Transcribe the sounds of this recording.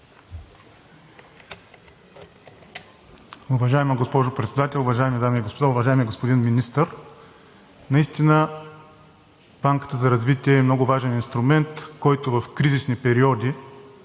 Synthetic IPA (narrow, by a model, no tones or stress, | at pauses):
ʊvɐʒaɛməɡospɔʒʊpɾɛt̪sɛd̪at̪ɛlˠʊvɐʒaɛmid̪amiːɡospod̪aʊvɐʒaɛmiɡospod̪inminist̪əɾ | nɐist̪inə | b̥aŋkə̥t̪əzɐɾɐzvit̪iɛːmnɔɡʊvaʒɛninst̪ɾʊmɛnt̪kɔjt̪ʊvɐfkɾizisnipɛɾiɔd̪ʲi